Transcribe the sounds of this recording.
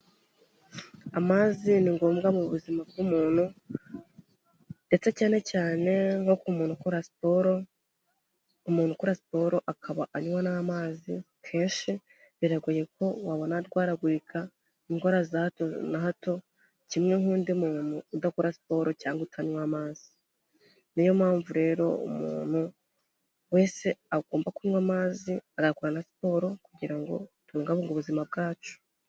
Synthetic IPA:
amaːziniŋɡoːmɡamuβuzimabɡumuːn̥hu | nde̞t͡se̞caːne̞caːne̞ŋho̞kumunukuapoɾ | umuːn̥hukuɾasi̥po̞ɾo̞ʔakʰaβaʔaɲwanamaːzi | kʰe̞ːnʃi | βiɾaɡuje̞ko̞waβo̞naɾɡwaːɾaɡwikʰa | iŋkoɾazatonaɦato̞ | cimŋehuːndimuːn̥uːdakuɾasi̥po̞ːɾo̞caːŋɡoutʰaɲwamaːz̥i | nijo̞maːɱvuɾe̞ːɾo̞̰ṵmṵːn̥hu | we̞ːse̞aɡoːmbakuɲwamaːziaɡakuɾanasi̥po̞ːɾo̞kuɟiɾaŋɡo̞̰tuːŋɡaβuŋɡoβuzimab̚ɡaːt͡ʃo̥

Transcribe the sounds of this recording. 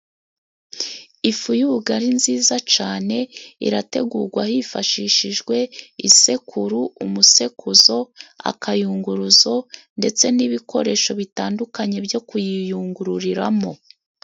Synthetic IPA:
ifujuβuɡaɾinziːzat͡ʃaːne̞ḭɾate̞ɡuːɾɡwahifaʃiːʃiʒɡwe̞ise̞kʰuɾuumuse̞kʰuzo̞a̰kajuːŋɡuɾuzo̞nde̞t͡se̞niβikʰo̞ɾe̞ːʃo̞βitaːndukaɲe̞bjo̞kujijuːŋɡuɾuɾiɾamo̞

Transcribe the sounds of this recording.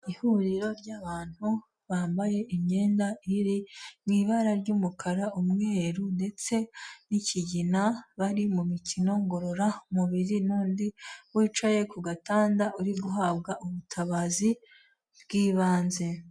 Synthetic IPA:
ihuɾiɾo̞ɾɟaβaːn̥hu | βaːmbaje̞ʔiɲɲe̞ːndaiɾiniβaɾaɾɟuːmukʰaɾaumŋeːɾunde̞t͡se̞nicʰiɟinaβaɾimumicino̞ŋɡo̞ɾo̞ɾamuβiɾinuːndiwiːt͡ʃaje̞kuɡataːndaʔuɾiɡuɦaːbɡaʔuβutʰaβazi | bɡiːβaːnze̞

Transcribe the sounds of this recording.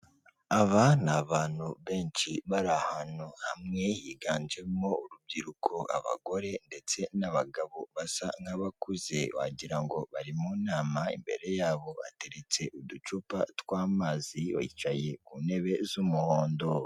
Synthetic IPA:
aβanaβaːn̥huβe̞ːnt͡ʃiβaɾahanohamŋe̞jiɡaːnd͡ʒemo̞uɾub̚ɟiɾukʰoa̰βa̰ɡo̞ɾe̞nde̞t͡se̞naβaɡaβoβasaŋ̥haβakuze̞wa̰ɟiɾaŋɡo̞βaɾimuːnaːmaḭmbe̞̰ɾe̞jaːβo̞a̰te̞ɾet͡se̞ʔudut͡ʃupatwaːmaːziβa̰it͡ʃaje̞kune̞βe̞zumuhoːndo̞

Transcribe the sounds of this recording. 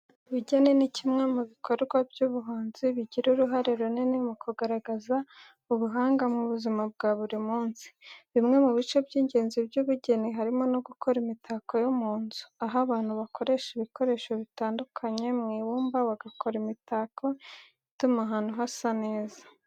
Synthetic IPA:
βuɟenenicimŋe̞muβikʰo̞ɾɡwabɟuːβuɦaːnziβiɟiɾuɾuɦaɾeɾuninimukuɡaɾaɡaza | uβuɦaːŋɡamŋuβuzimab̚ɡaːβuɾimuːnsi̥βimŋe̞muβit͡ʃo̞bɟiːɲɟe̞ːnzibɟuːβuɟe̞niɦaɾimo̞noɡukʰo̞ɾimitaːko̞jomuːnzuaɦaβaːn̥huβako̞ɾe̞ʃiβiko̞ɾe̞ːʃoβitaːndukʰaɲe̞mŋiwuːmbawaɡakʰo̞ɾimitaːkʰo̞ | itumaɦaːn̥huɦasane̞ːza

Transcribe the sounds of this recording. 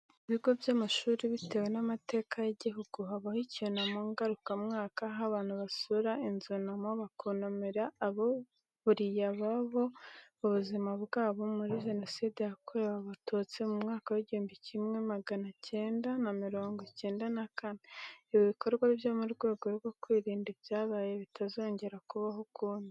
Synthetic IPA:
iβiɡo̞bjamaʃuːɾiβite̞we̞namate̞ːkʰajeɟiɦuɡ̥uɦaβahicionamuŋɡaɾukamŋaːkaɦaβaːn̥huβasuɾainzunamoβakʰonomeɾaːβo | βuɾijaβaβo̞uβuzimaβɡaːβomuɾiʒeno̞sidejakʰoewaβatʰot͡se̞mumŋaːkawiɟiuːmbicʰimŋe̞maɡanacʰe̞ːndanamiɾo̞ːŋɡoce̞ːndanakaneiβiβiko̞ɾɡwaβjomuɾɡwe̞ːɡo̞ɾɡokwiːɾiːndiβjaːβaje̞βitʰazo̞ːɲɟe̞ɾakuβaɦokʰuːndi

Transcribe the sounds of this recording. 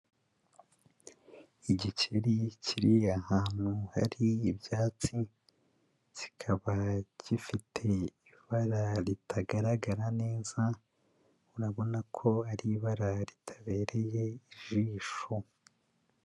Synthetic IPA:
iɟiceɾicʰiɾiahaːn̥huha̰ɾiːbjaːt͡si | z̥ikʰaβaɟifitʰe̞i | βaɾaɾitʰaɡaɾaɡaɾane̞ːza | uɾaβo̞nakʰo̞aɾiβaɾaɾitʰḁβe̞ːɾe̞je̞iʒiːʃo

